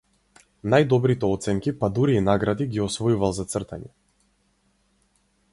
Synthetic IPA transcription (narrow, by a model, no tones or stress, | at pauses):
najd̪ɔbɾit̪ɛɔt̪sɛŋkipad̪uɾiːnaɡɾad̪iɡiɔsvɔjuvalˠzat̪sr̩t̪aɲɛ